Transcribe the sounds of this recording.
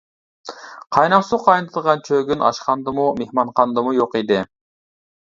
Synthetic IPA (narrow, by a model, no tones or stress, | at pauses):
qʰɑjnɑqsuqʰɑjnɨt̪ʰɨd̪əʁɑnt͡ʃʰøɡʲynʔɑ̰ʃqɑnd̪ɨmumehmɑɴqʰɑnd̪ɨmujoqid̪ɪ